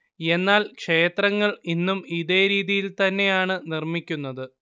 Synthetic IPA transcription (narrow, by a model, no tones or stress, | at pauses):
e̞nːaːlkʂe̞ːt̪rɐŋːɐɭinːumiðe̞ːɾiːðijilt̪ɐnːe̞jaːɳɨnirmikʲːunːɐðɨ